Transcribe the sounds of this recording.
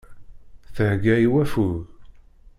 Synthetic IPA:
θəhɡæiwæfuð

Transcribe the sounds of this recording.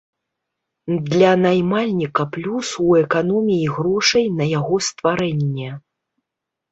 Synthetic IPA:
d̪lʲɐnajmalʲnʲikɐplʲusuɛkanɔmʲijiɣɾɔʂɐjnɐjaɣɔst̪vaɾɛnʲːɛ

